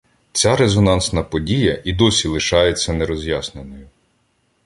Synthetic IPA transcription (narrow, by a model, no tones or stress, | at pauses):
t͡sʲaɾezɔnɑnsnɐpɔdʲijɐʔid̪ɔsʲilˠɪʃɑjet͡sʲːɐneɾɔzʲjasnenɔjʊ